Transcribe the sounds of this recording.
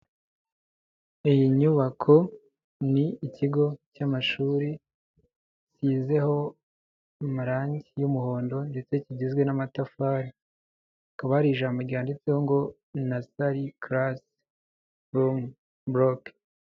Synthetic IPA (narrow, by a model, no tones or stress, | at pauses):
ijiɲuβakʰo̞ | niːciɡo̞camaʃuːɾi | siːze̞ho̞ | maɾaːɲɟijumuho̞ːndo̞nde̞t͡se̞ciɟizɡwe̞namatafaːɾi | kaβaɾiːʒaːmboɾɟaːndit͡seho̞ŋɡo̞ | nasaɾikɾas | ɾum | bɾok